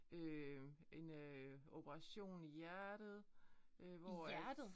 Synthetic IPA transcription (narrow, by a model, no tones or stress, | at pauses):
øe̝no̝b̥əʁɑ̈ɕo̝̰ːnijæɐɾ̥ð̞̩ˠ | øʋɒæ̥